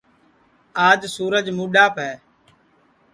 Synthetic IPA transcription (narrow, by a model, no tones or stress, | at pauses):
aːd͡ʒsuːɾəd͡ʒmuːɗaːpɛː